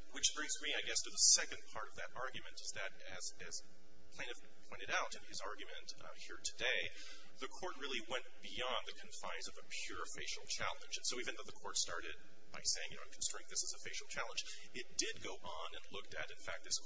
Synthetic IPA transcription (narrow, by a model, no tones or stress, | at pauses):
wɨt͡ʃb̥ɹɪ̃ŋzmiaɪɡɛstʰɨðəsɛkɨ̃npʰɑɹɾʌvðɨɾʔɑɹɡjɨmɨ̃ntɨzðɨɾ | ɨz | ɨz̥ | pʰl̥ẽɪnɨf | pʰɔ̃ɪ̃ɨɾaʊɾɨ̃nɨzɑɹɡjɨmɨ̃nt | hiɹtʰɨdeɪ | ðɨkʰɔɹt̚ɹɪlˠiwɛ̃nb̥iɑ̃nðɨkʰɨ̃ɱfãɪ̃nzʌvɨpʰj̥ʊɹɨfeɪʃl̩ˠt͡ʃʰæ̰lˠə̰̃nd͡ʒɨ̃nsoʊivɨ̃nðoʊðɨkʰɔɹtstɑɹɾɨd̚ | b̥aɪseɪɪ̃ŋjɨnoʊkʰn̩stɹ̥ẽɪ̃ŋðɪsəzəfeɪʃl̩ˠt͡ʃʰælˠə̃nd͡ʒ | ɨt̚d̥ɪd̚ɡoʊʔ | n̩ɨ̃nlʊk̚tɨ̰ɾɨ̃nfæk̚t̪̚ðɪs